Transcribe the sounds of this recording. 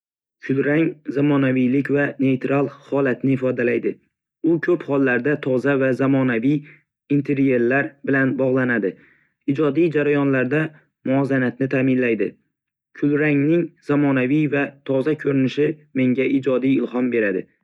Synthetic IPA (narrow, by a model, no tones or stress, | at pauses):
kʲʰʊlɾaŋzamɒnavijlɪkʲvane̞jt̪ɾalˠhɒlat̪nɪɪfɒd̪alajd̪ɪ | ʊkʲʰɵphɒlˠːaɾd̪at̪ʰɒzavazamɒnavij | int̪ʰe̞ɾje̞ɾlaɾbɪlanbɒʁlˠanad̪ɪ | ɪd͡ʒɒd̪ijd͡ʒaɾajɒnlaɾd̪a | mʊɒzanat̪nɪt̪ʰaːmɪnlajd̪ɪ | kʲʰʊlɾaŋnɪŋz̥amɒnavijvat̪ʰɒzakʰɵɾɪnɪʃɪme̞ŋʲaɪd͡ʒɒd̪ijɪlhɒmbe̞ɾad̪ɪ